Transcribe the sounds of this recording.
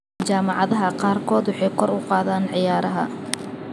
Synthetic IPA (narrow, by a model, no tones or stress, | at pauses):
t͡ʃaːmɑʕɑðɐɦɐqɑːrkʰɔːd̪wɑħɑjkʰɔrʊqɑːðaːnʕɪjaːɾɐɦɐ̰